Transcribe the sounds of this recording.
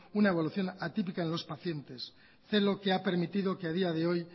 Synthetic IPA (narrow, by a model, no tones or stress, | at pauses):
unae̞β̞oluθjo̞nat̪ip̬ikae̞nlo̞spaθje̞nt̪e̞s | θe̞lo̞ke̞ape̞ɾmit̪iðo̞keað̞iaðe̞o̞j